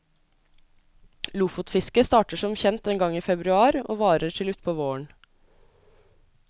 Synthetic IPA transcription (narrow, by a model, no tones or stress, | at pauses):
luːfʊt̪fɪskəst̪ɑːʈəʂɔmçɛnt̪eːŋɡɑŋiːfɛbɾʉɑːɾo̰ːʋɑːɾəʈʰɪlʉt̪pʰoːʋoːəɳ